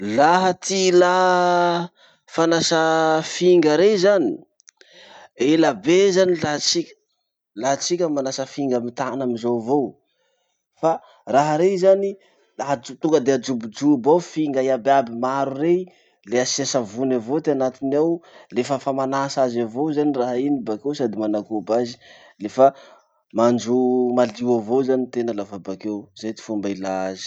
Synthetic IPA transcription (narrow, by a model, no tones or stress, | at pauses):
laɦət̪ila | fanasəfiŋɡəɾezani̥ | elabezanilaɦat͡sikʲə̥ | laɦat͡sikʲəmanasəfiŋɡamit̪anamizovo | fa | raɦaɾeizani | laɦad͡ʒut̪uŋɡəd̪ead͡ʒubud͡ʒubawfiŋɡaiababimaɾure | leasesavunavot̪eanat̪inawlefəfamanasazavowzaniraɦinibakewsad̪imanakubazi̥ | lefə | mand͡ʒumaliwavozanit̪enəlavabakewzajt̪i̥fumbailazi̥